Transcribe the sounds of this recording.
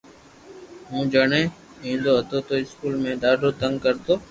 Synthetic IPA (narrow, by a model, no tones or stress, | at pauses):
ɦũːd͡ʒəɳẽː | ĩːnd̪oːɦət̪oːt̪oːɪskuːlmẽːɗaːɖʱoːt̪əŋɡkəɾt̪oː